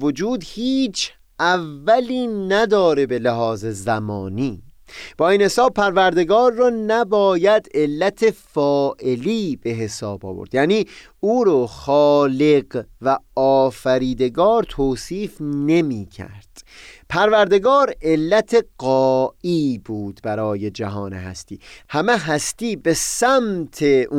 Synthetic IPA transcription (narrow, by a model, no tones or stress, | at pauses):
vod͡ʒuːd̪hiːt͡ʃʰ | ʔævːæliːnæd̪ɒːɾe̞be̞leɦɒːze̞zæmɒ̰ːniːb̥ɒːiːnhe̞sɒːb̚pʰæɾvæɾd̪e̞ɡɒːɾːɒːnæbɒːjæd̪e̞lːæt̪ʰe̞fɒːʔe̞liːb̥e̞ɦe̞sɒ̰ːbɒ̰ːvo̰ɾd̪̥jæʔniː | uːɾɔxɒːle̞ɡvæɒːfæɾiːd̪e̞ɡɒːɾt̪ʰoːsiːfne̞miːcʰæ̰ɾd̪̥pʰæɾvæɾd̪e̞ɡɒːɾe̞lːæt̪ʰe̞ɢɒːiːbuːd̪̥bæɾɒːje̞d͡ʒæɦɒːnḛhæ̰st̪iːhæmeɦæst̪iːbe̞sæmt̪ʰeu